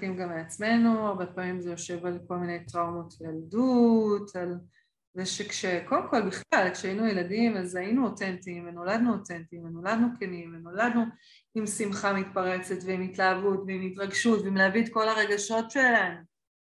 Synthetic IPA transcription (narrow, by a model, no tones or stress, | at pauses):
kimɡamleat͡sme̞nuaʁbe̞paːmimzejo̞ʃe̞valko̞lmine̞jtʁaumotvejaldutʰal | zeʃekʃe̞ko̞lemko̞lbiχlalkʃeainujeladimazajinuotentimveno̞lad̪nuotentiveno̞ladnukenimveno̞lad̪nu | imsimχamitpaʁe̞t͡se̞tveimitlaːvutveimitʁaɡʃutveimleavidko̞laʁe̞ɡaʃo̞tʃe̞lanu